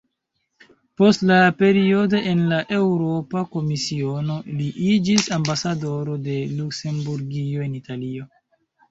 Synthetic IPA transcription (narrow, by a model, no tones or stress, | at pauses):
po̞stlape̞ɾio̞doʔenlaʔe̞wɾo̞pako̞misio̞no̞liʔid͡ʒisambasado̞ɾo̞de̞lukse̞mbuɾɡio̞e̞nitalio̞